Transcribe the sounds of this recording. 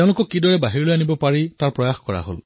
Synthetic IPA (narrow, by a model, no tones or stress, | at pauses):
eʊ̃lʊkɔkːidɔɹɛbaɦiɹɔlojanibɔpaɹitaɹpɹɔjaxkɔɹa̰ɦo̰l